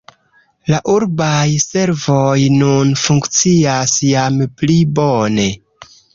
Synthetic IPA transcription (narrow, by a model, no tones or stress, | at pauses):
laʔuɾbajse̞ɾvojnunfuŋkt͡siasjamplibone̞